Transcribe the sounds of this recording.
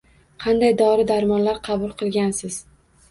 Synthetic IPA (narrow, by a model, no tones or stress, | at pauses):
qʰɑnd̪ajd̪ɒɾɪd̪aɾmɒnlaɾqʰɑbʊlˠqʰɨlˠɡʲansɪz̥